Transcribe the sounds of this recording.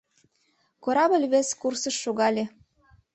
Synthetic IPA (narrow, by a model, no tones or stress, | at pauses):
koɾɑbə̆lʲβeskursə̆ʃːoɣɑlʲe